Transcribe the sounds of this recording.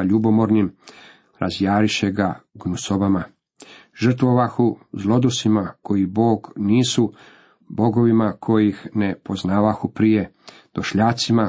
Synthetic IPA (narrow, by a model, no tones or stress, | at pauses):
ʎubomoɾnim | ɾʔazjaːɾiʃeɡaɡnusobama | ʒr̩t̪ʋoʋaxuzlˠo̞d̪usimako̞jibo̞ːɡniːsu | bo̞ɡo̞ʋimakʰo̞jixnepoznaːʋaxupɾije̞ | d̪̥oʃʎaːt̪sima